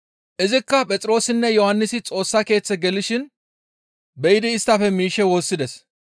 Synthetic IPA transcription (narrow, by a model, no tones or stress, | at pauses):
ʔɪzɪkːɐpʼɛt͡sʼɪɾo̞ːsɪnːɛjɔhɐnːɪsɪt͡sʼo̞ːsːɐke̞ːt͡sːɛɡɛlːɪʃɪn | bɛjɪd̪ɪːst̪ːɐfɛmiːʃːɛwo̞ːsːɪd̪ɛs